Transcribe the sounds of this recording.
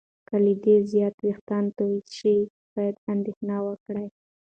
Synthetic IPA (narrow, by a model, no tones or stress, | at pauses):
kalid̪ezjɑt̪ɾext̪ɑnt̪oit͡ʃi | b̥ɑjad̪and̪exnɑwəkɽaj